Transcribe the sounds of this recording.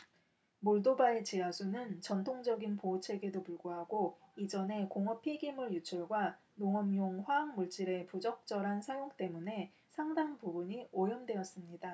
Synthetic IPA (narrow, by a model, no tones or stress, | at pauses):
moɭdobaet͡ɕiasʰunɯnt͡ɕʌntʰoŋd͡ʑʌɡinpot͡ɕʰe̞ɡe̞dopuɭɡoɦaɡoid͡ʑʌne̞koŋʌpʰiɡimuɭjut͡ɕʰʌɭɡwa | noŋʌmjoŋɸwaːŋmuɭt͡ɕ͈iɾe̞pud͡ʑʌk̚t͡ɕ͈ʌɾɦansʰajoŋt͈e̞mune̞ | sʰaŋdaŋpubuɲiojʌmdwe̞ʌs͈ɯmɲida